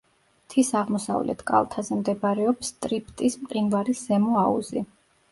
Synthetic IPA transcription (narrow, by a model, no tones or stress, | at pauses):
t̪ʰisaʁmɔsa̰vlʔɛ̰t̪ʰkʼa̰lˠt̪ʰazɛmd̪ɛbaɾɛɔpst̪ʼɾip̚ʰt̪ʼismʼqʼinvaɾisɛmɔaṵzi